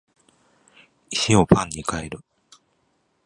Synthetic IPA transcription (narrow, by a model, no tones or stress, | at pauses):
iɕio̞pʰãɲ̟ːikaeɾɯ̟